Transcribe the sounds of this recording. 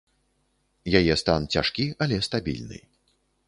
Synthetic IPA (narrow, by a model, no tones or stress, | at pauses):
jajɛst̪ant͡sʲa̰ʂkʲiɐlʲɛst̪abʲḭlʲnɨ̰j